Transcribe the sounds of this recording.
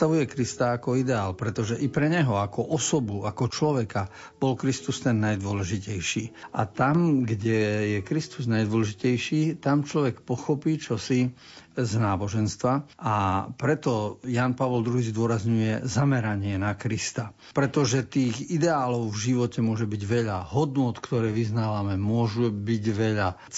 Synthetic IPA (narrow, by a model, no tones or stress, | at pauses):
aʋujɛkɾist̪aːkɔid̪ɛaːlpɾɛt̪ɔʒɛʔipɾɛɲɛɦɔakɔʔɔsɔbuakɔt͡ʃlɔʋɛka | b̥ɔlkɾist̪ust̪ɛnːajd̪ʊɔlɛʒicɛjʃiːa̰t̪amɡɟɛjɛkɾist̪uznajd̪ʋɔlɛʒicɛjʃiːt̪amt͡ʃlɔʋɛkpɔxɔpiːt͡ʃɔsi | znaːbɔʒɛnst̪ʋaʔapɾɛt̪ɔjanpaʋɔld̪ɾuɦiːzd̪ʊɔɾazɲujɛzamɛɾaɲɪɛnakɾist̪a | pɾɛt̪ɔʒɛt̪iːɣid̪ɛaːlɔʊvʒiʋɔcɛmʊɔʒɛbiɟʋɛʎaɦɔd̪nʊɔt̪kt̪ɔɾɛːʋiznaːʋamɛmʊɔʒubiɟʋɛʎa